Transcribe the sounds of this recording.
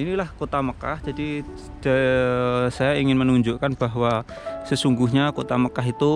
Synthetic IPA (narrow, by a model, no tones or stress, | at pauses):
inilahkot̪aməka̰hd͡ʒadi | d̥a | sajaiŋɪnmənuɲd͡ʒuʔkanb̥aɦwa | səsuŋɡuɦɲakot̪aməkaɦit̪u